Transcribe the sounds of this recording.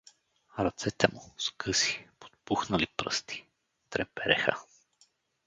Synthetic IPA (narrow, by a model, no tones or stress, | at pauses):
ɾɐt̪sɛt̪ɛmuskʰɤsi̥po̥t̪̚puxnɐlipɾə̰st̪i̥ | t̪ɾɛpɛɾɛxə̰